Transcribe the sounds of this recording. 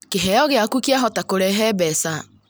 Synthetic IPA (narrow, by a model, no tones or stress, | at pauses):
keɦɛjɔɣɪakukjaɦɔtakoɾɛɦɛbɛsa